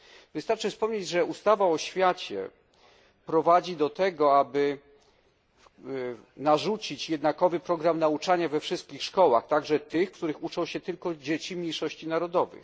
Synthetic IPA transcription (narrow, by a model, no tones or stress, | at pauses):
vɘst̪aɾt͡ʂɘfspɔmɲed͡ʑʐɛust̪avaɔɕfʲjat͡ɕɛ̰ | pɾɔvad͡ʑid̪ɔt̪ɛɡɔabɘ | naʐut͡ɕit͡ɕjɛd̪nakɔvɘpɾɔɡɾamnaut͡ʂaɲavɛfʂɘst̪̚kʲixʂkɔwa̰xt̪aɡʐɛt̪ɘxkt̪uɾɘxut͡ʂɔ̃w̃ɕɛt̪ɘlkɔd͡ʑet͡ɕimʲɲejʂɔɕt͡ɕinaɾɔd̪ɔvɘ̰x